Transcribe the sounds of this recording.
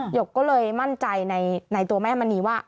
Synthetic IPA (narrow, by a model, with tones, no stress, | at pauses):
jo˨˩kːɔː˥˩lɤː˧jma˥˩nt͡ɕa˧jna˧jna˧jt̪u˧ɐma˥˩a˧ma˧niː˧waː˥˩